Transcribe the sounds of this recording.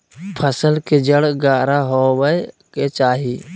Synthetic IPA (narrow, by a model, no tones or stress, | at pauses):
pʰəsəlked͡ʒəɽɡaːɾaɦoːwəe | ket͡ʃaːɦiː